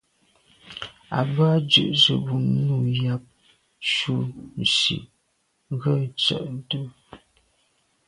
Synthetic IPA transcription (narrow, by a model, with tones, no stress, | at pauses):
a̰˨ba˦d͡ʒʉ̰˦˨ʔzə˨bu˨nu˦˨ja˦p̚ | ʃu˦n̩˨sḭ˨ | ɣə˦˨t͡sə̰˨ʔn˦du˦